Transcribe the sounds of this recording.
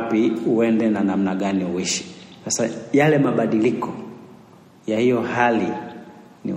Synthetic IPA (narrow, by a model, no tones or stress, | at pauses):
piuɛndɛnanam̩naɠaniuwiʃi̥sasajalɛmaɓaɗilikɔ | jahijɔhali | nḭ